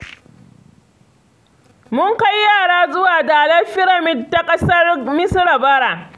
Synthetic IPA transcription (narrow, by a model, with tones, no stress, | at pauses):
mʊ˦ŋka˦jjaː˦˨ɽaː˦zʊ˦waː˨daː˨lɐ˦ɸɪ˦ɽɐ˨mɪ˦dtːa˦kʼɐ˦sɐ˦rmɪ˦sɽa˨bɐ˦ɽaː˨